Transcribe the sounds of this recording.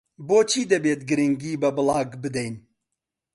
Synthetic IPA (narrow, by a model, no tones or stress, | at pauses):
boːt͡ʃʰiːd̪ɐbeːt̪̚ɡɨɾɨŋɡiːbɐbɨlˠɑːɡbɨd̪ɛjn